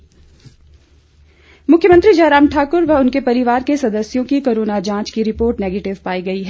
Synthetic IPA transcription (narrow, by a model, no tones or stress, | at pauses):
mʊkʰjəmə̃nt̪ɾid͡ʒaːɾaːmʈʰaːkʊɾʋɐʊnkepɐɾɪʋaːɾkesɐd̪əsjõkikoːɾoːnad͡ʒãːt͡ʃkiɾɪpoːɾʈneːɡeːʈɪʋpaːiɡɐiɦɛː